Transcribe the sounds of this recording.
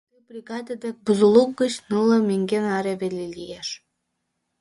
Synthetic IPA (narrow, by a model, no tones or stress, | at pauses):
t̪ɨbrʲiɡɑd̪əd̪ek̚buzulˠuk̚ɡə̆t͡ɕnɯlɤ̆meŋɡʲenɑɾeβelelijeʃ